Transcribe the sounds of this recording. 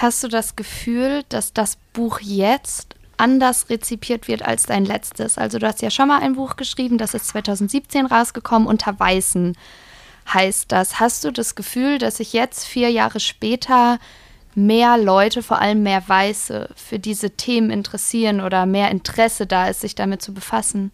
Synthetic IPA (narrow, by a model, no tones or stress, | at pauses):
hast̚d̥uːdasɡ̥əfyːld̥asd̥asb̥uːxjɛt͡st | ʔandɐsʁet͡sipʰiːɐtv̥ɪɐta̰lsd̥aɪnlɛt͡stəsʔa̰lzoduːhastjaːʃonmaːlʔa̰ɪnbuːxɡ̥əʃʁ̥iːbm̩dasɪstt͡sv̥aɪtʰaʊzn̩tz̥iːp̚t͡seːnʁaʊsɡ̥əkʰɔmənʔʊntʰɐvaɪzn̩ | haɪst̚d̥ashast̚d̥uːdasɡ̥əfyːldasz̥ɪçjɛt͡stfiːɐja̰ːʁəʃpɛːtʰɐ | meːɐlɔʏtəfoːɐʔa̰ləmːeːɐvaɪsə̰fyːɐdiːzətʰeːmənɪntəʁ̥ɛsiːʁənʔoːɾɐmeːɐʔɪntəʁ̥ɛsədaːɪstz̥ɪçd̥amɪt̚t͡subəfasn̩